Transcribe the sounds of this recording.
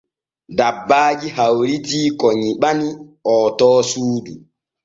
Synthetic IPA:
dabːaːd͡ʒihawɾitiːkɔɲiɓaniʔɔːtɔːsuːdu

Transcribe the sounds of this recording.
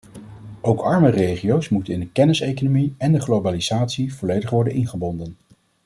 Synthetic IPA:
owkɑɹmərejχiowsmutənɪndəkɛnɪsejkonomiɛndəχlowbaliz̥aːtsiv̥ɔlejdəχʋɔɹdənʔɪnχəbɔndən

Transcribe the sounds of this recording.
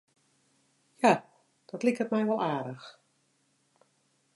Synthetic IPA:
ja | d̥ɔtlikətmɛjʋɔlˠaːdəx

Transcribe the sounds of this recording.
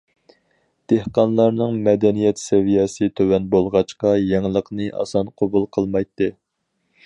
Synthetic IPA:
d̪̥ehqɑnlˠɑɾnɨŋmɛd̪ɛnijɛt̪sɛvijɛsɨt̪ʰøwɛnbolˠʁɑt͡ʃqɑjɛŋlˠəqnɨʔɑ̰sɑnqʰobulˠqʰəlˠmɑjt̪ːɨ

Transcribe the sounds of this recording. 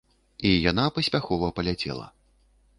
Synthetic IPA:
ijanapɐsʲpʲaxɔvɐpɐlʲat͡sʲɛ̰lˠɐ̰

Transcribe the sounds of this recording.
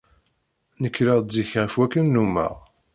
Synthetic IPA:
nəkːɾəʁziçʁəfwækːənːumːə̰ʁ

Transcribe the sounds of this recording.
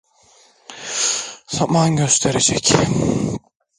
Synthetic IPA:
z̥amanɟøst̪ʰeɾed͡ʒɛc

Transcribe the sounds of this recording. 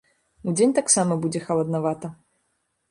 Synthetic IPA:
ud͡zʲenʲt̪aksamɐbud͡zʲɛxɐlˠɐd̪navat̪ɐ

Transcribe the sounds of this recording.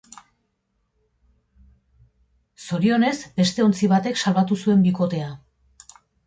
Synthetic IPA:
so̞ɾio̞ne̞zbe̞st̪e̞o̞nt͡siβ̞at̪e̞ksalβat̪usue̞mbiko̞t̪e̞a

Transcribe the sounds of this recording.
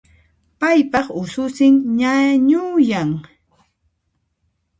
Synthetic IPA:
pajpɑχʊsʊsɪŋɲaɲʊjaŋ

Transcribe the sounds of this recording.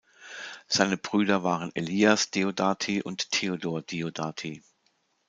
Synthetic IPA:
z̥aɪnəbʁyːdɐvaːʁəneliːasd̥eodaːtʰiʔʊnttʰːeodoːɐd̥eodaːtʰi

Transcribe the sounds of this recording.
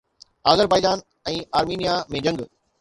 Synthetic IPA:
aːɣəɾpaːjd̪aːn | ɛ̃ːaːɾmiːnijamẽd͡ʑɐ̃ŋɡ

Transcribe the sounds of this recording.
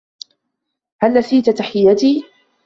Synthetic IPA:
halːasiːt̪at̪aħɪjːat̪iː

